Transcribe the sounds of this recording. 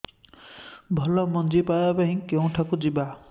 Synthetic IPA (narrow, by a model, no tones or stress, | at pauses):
bʱɔlɔmɔnd͡ʒipajabaɦĩkeũʈʰakũd͡ʒiba